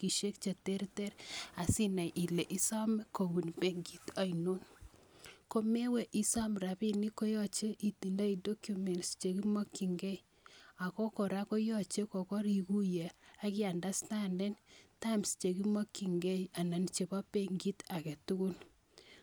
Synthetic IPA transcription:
ki˨ʃe˦k̚t͡ʃe˨te˦rte˦ɾa˨si˦na˨jʔi˨le˨ʔi˦sa˦me˦ko˨wu˨npe˦ŋɡi˦ta˨ino˦n | ko˦me˦we˨ʔi˦sa˦mɾa˨pi˦ni˦ko˦jɔ˦t͡ʃe˦ʔi˨ti˨nda˦i˨do˦kju˨me˨nst͡ʃe˨ki˦mɔ˦kːi˨ŋɡe˦j | a˨ko˦ko˨ɾa˦ko˦jɔ˦t͡ʃe˦ko˨kɔ˦ɾi˨ku˦je˨a˦kɪ˦a˨nda˦sta˦nde˦nta˦mst͡ʃe˨ki˦mɔ˦kːi˨ŋɡe˦ja˨na˨nt͡ʃe˨ba˦peŋɡi˦ta˨ke˨tu˦ku˦l

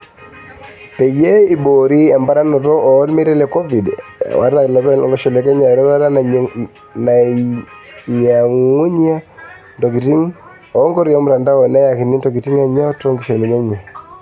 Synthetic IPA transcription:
pe˨je˦i˨bo˨ɾi˦ɛ˨mba˦ɾa˦nɔ˨tɔ˦ɔ˨˦lme˦ɾɛ˦lɛ˨kɔ˦vi˨d̰wʔa̰˨ɾna˨lɔ˦bɛ˦nɔ˨lɔ˦ʃɔ˨lɛ˨˦kɛ˦ɲa˨ɾɔ˦ta˦ɾa˦ | na˨ | ɲa˨ŋu˦ɲa˦ | ndɔ˨ki˨ti˦ŋ | ɔ˨˦ŋɡɔ˦ɾjɔ˨˦mʊɾa˨nda˦wɔ˨na˦ja˨ki˨ni˦ndɔ˨ki˨ti˦ŋa˨ɲa˦to˦ŋɡi˨ʃɔ˨mi˨ɲa˦ɲa˨

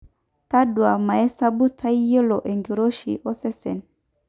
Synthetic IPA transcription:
ta˦dwa˨ma˨ɛ˦sa˦bu˦tʰa˦i˦je˦lɔ˨ʔe˨ŋɡi˨ɾo˦ʃḭ˨ʔɔ˦sɛ˦sɛ̰˨n

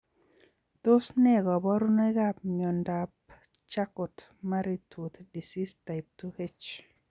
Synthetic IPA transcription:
t̪o˦snɛ˦ɡɔ˨bɔ˦ɾu˦na˦ɡa˦p̚ɲo˨ndap | t͡ʃa˦kʊ˨t | ma˦ɾi˦tʰu˨t̪di˨si˦sta˨ɪp̚tuhe˦t͡ʃ

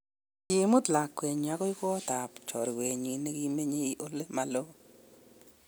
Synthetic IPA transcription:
ɪ˨˦mʊ˦tla˨kːwe˨ɲa˨kɔ˦i˦kɔ˦ta˨pt͡ʃɔ̰˨ɾkwe˨ɲi˨ne˦ki˦me˦ɲe˦i˦ʔo˦le˦ma˨lo˦

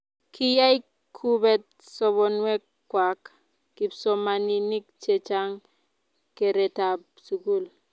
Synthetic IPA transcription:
kʰi˦ja˦i˦ | kʰu˦bɛ˨t̚ | sɔ˨βɔ˨nwɛ˦k | kːwa˨k | ki˨bso˨ma˨ni˨ni˦k̚t͡ʃe˨t͡ʃa˦ŋ | ke˨ɾe˨ta˨p̚ | su˨ɡu˦l

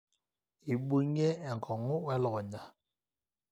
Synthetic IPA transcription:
i˨ɓo˦ɲɛ˦ɛ˨ŋ̩˨kʰɔ˨ŋʊ˦wɛ˦lɔ˨ɣɔ˨ɲa˦

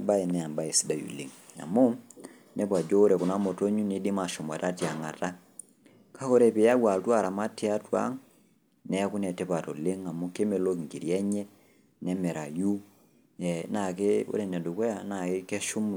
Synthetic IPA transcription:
ba˦i˨nɛ˨a˨mba˦ɛ˨si˦da˨jṵ˨le˦ŋa̰˨mu˦ | nɛ˦p̬wa˨d͡ʒɔː˦ɾɛ˨ku˨na˦mɔ˨to˦ɲu˦ni˨˦di˦ma˨ʃɔ˨ma̰˨ta˦ti˨a˨ŋa̰˨ta˦ | ka˦kɔ˦ɾɛ˦˨pe˨ja˦ɡwa˨ltwa˦˨ɾa˨ma˦ti˦a˦twa̰˦ŋ | nɛ˦ku˦nɛ˨tɛ˦pa˨tɔ˨le˦ŋa˨mu˦ke˦me˨lo˦ŋɡi˨ɾi˨ɛ˦ɲɛ˦ | nɛ˦mɛ˨ɾa˨ju˦ | ɛ˨na˨ke˦o̰˦ɾɛ˨nɛ˨du˨kɛ˦ja˨na˨ke˦kɛ˦ʃu˦m

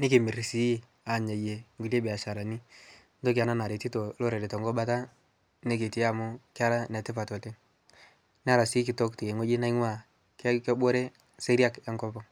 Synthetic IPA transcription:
ne˦ke˨mi˨ɾi˨si˨˦ji˦˨ | a˨ɲa˨je˨ŋɡu˨le˦be˨a˨ʃa˨ɾa˨ni˦ | n˦to˦k̬a˨na˦na˨ɾe˨ti˦to˨˦lo˦ɾe˨de˨tɔ˨ŋɡɔ˦ɓa˦ta˦ | ne˦k̬e˨ti˨a˦˨mʊ˦ka˦ɾa˦nɛ˨te˦pa˨tɔ˨te˦ | n˦a˦ɾa˨si˦kɪ˨tɔ˦kti˨je˨ŋwe˦d͡ʒi˦na˦i˦ŋwa˦˨ | kke˦ɓo˦ɾe˦ | se˦ɾja˦ka˦ŋkɔ˦pɔ˨

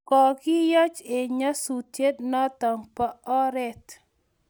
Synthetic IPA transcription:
kɔ˨ɡɪ˦jɔ˦t͡ʃe˨ɲa˦su˨tje˦dnɔ˦t̪ɔ˨ŋpa˨ɔ˦ɾɛ˦t

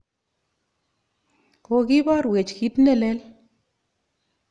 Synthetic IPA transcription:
ko˨ki˦bɔ˦ɾwe˨t͡ʃki˦tne˦˨le˦l

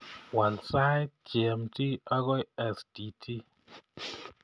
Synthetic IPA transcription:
wa˨nsa˦jt̚t͡ʃɛ˨mti˦a˦ɡɔ˦jɛ˦sd̥i˨˦tʰi˦

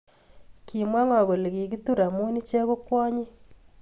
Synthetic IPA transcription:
ki˨mwa˦ŋɔ˨ɣo˨lki˨k̬i˦tu˦ɾa˨mu˦ni˦t͡ʃe˦ko˦kwɔ˦ɲi˦

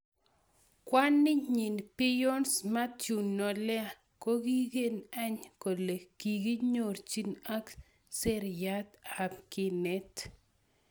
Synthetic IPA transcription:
kwa˦nːɪ˦ɲi˨npɪ˦jo˦nsma˦tu˨nɔ˨lɛ˦a˨ | ko˦ɡi˦ɡe˦na˦ɲko˨le˨ki˨ɡi˦ɲo˨ɾt͡ʃi˦na˦k | se˦ɾja˦t̪a˨pkɪ˦nɛ˦t̪

